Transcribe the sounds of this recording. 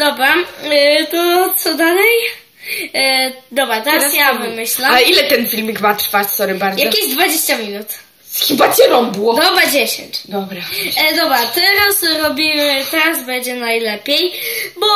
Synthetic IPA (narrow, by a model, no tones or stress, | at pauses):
d̪̥ɔbɾa | t̪ɔt̪sɔd̪alɛj | d̪ɔbɾat̪ɛɾaɾasjavɨmɨɕlailɛt̪ɛnfʲilmikvat̪ɾfaɾt̪sɔɾibaɾjaɐkʲezd̪vad͡ʑeɕt͡ɕamʲinut̪ | skʲĩpat̪ʲɛnɔ̃m̃buwɔd̪ɔbɾad͡ʑeɕḛ̃ɲt͡ɕd̪ɔbɾad̪ɔbɾat̪ɛɾasɾɔbʲimɪt̪ɛɾazbɛnd͡ʑɛnajlɛpʲjejbɔ